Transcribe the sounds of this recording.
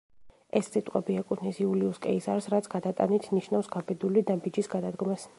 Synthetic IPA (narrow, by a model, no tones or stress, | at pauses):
ɛsːit̪ʼqʼɛbiɛkʼut̪ʰnisiuliuskʼɛisaɾsɾat̪sʰɡad̪at̪ʼa̰nit̪ʰniʃnafsɡabɛd̪ulid̪abid͡ʒisɡad̪ad̪ɡɔmɛs